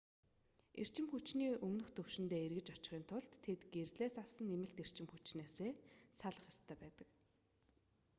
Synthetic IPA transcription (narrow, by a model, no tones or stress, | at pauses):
ḛr̥t͡ɕɪ̆mxut͡ɕniːʔɵmnɵ̆xt̪ɵw̥ʃɪ̆nt̪eːerɣɘ̆t͡ɕɔt͡ɕɪ̆χiːnt̪ʰʊɮt̪ʰːet̪ɡ̥erɮeːsaw̥sə̆nemɘ̆ɬt̪er̥t͡ɕɪ̆mxut͡ɕneːseːsaɮə̆χjḁst̪ʰæːpæːt̪ə̆k